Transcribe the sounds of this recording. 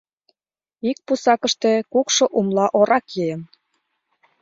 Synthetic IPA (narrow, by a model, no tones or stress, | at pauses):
ik̚pusɑkə̆ʃt̪e̽kukʃoʔumlɑʔoɾɑkjɤjə̆m